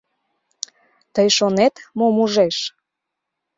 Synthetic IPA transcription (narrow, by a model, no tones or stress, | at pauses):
t̪əjʃonet̪momuʒeʃ